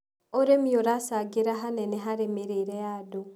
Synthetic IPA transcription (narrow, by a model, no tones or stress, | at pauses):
oɾemioɾasaɡeɾaɦanɛnɛɦaɾemeɾeɾɛjado